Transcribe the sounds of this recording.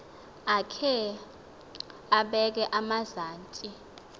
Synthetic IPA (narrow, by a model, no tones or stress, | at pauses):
akʰɛ | aɓɛk̬ɛʔamazaːntʼi